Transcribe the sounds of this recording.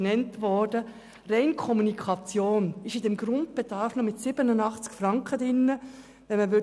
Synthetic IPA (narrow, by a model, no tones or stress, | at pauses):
nɛntʋɔɾdə | rɛɪnkʰɔmunikʰɑt͡sjoːnɪʃɪdɛmɡ̥ɾʊnd̚b̥ed̥ɑɾfnɔmɪtsɪbənənɑχt͡skfɾɑŋkχədɪnːə | ʋɛnməʋʏ